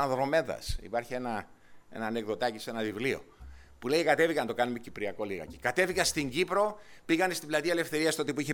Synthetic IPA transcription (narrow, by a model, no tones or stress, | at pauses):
ɐðɾo̞me̞ðɐ̰sḭpɐɾçie̞nɐ | e̞̰nɐːneɣðo̞t̪ɐcise̞nɐvivlio̞̰ | pulejikɐt̪e̞viɣɐnɐt̪o̞kɐnumecipɾiɐko̞liɣɐ̰cikɐt̪e̞viɣɐst̪iɲɟipɾo̞piɣɐnest̪iblɐt̪iɐele̞fθe̞ɾiɐst̪ot̪ip̬uiçe